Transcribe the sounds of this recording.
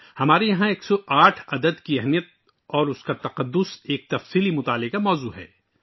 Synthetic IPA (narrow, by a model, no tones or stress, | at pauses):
hɐmaːɾejɐɦãeːksɔʔaːʈʰɐd̪əd̪kiɐɦmijət̪̚ | ɔːɾʊskat̪ɐqɐd̪ːʊseːk̚t̪ɐfsiːlimʊt̪aːlɪkamɔːzuːɦɛ̰ː